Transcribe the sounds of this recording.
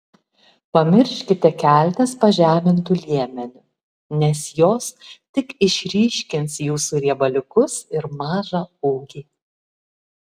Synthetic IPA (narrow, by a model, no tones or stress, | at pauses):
pɐmʲɪɾʲʃʲkʲɪt̪ʲɛkʲæˑlʲt̪ʲɛspɐʒʲæːmʲɪnt̪ʊlʲiɛmʲɛnʲʊ | nʲɛsjoːst̪ʲɪkɪʃʲɾʲiːʃʲkʲɪnsjuːsuɾʲiɛbɐlʲʊkʊsɪɾmɑːʒɑuːɡʲiː